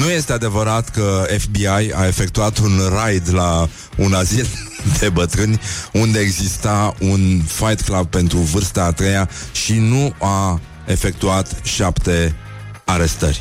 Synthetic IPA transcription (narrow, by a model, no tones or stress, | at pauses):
nuje̞st̪e̞ad̪e̞vəɾat̪kəefbiajae̞fe̞kt̪uat̪unrajd̪la | unazil | d̪e̞bət̪ɾɨnʲund̪e̞ːɡzist̪aunfajt̪klab̚pe̞nt̪ɾuvɨrst̪aːt̪ɾejaʃinua | e̞fe̞k̚t̪uat̪ʃapt̪e̞ | aɾe̞st̪ə̰rʲ